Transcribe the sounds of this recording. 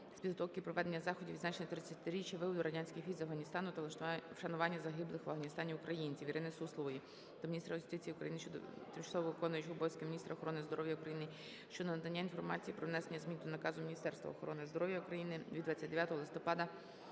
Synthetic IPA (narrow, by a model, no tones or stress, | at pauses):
sʲpʲid̪ɦɔt̪ɔwkɪpɾɔʋɛd̪e̞nʲːɐzɑxɔdʲiʋid̪zɑt͡ʃenʲɐt̪ɾɪt͡sʲːɐt̪ɪɾʲit͡ʃjɐʋɪbɔd̪ʊɾɐdʲanʲsʲkɪxfʲijzɐfɦɐnʲist̪ɑnʊt̪ɐʃɐnʊʋɑnʲːɐzɐɦɪblˠɪxʋɐɦɐnʲist̪ɑnʲiʊkɾɐjinʲt͡sʲiʋʲiɾɪnɛsuslˠɔɔji | t̪ɐmʲinʲist̪ɾɐjʊst̪ɪt͡sʲijiʊkɾɐ̰jinɪʃt͡ʃt̪ɪmt͡ʃɐ̥sˠɔʋɔʋɪkɔnʊjɪt͡ʃʊbɔjsʲkemʲinʲist̪ɾɐɔxɔɾɔnɪzd̪ɔɾɔʋjɐukɾɐjinɪ | ʃt͡ʃɔd̪nɐd̪ɐnʲːainfɔrmɑ̰t͡sʲijipɾɔʋnɛsenʲːɐzmʲint̪ʊnɐkɑzʊminʲist̪ɛrst̪ʋɐ̰ɔxɔɾɔnɪzd̪ɔɾɔʋjɐukɾɐjinɪʋʲid̪ʋɑt͡sʲːatʲd̪eʋʲjat̪ɔɦɔlˠɪst̪ɔpɑd̪ɐ